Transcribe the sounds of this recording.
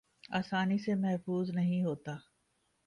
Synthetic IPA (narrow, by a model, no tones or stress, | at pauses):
aːsaːnisemɛɦfuːznɐɦĩɦoːt̪aː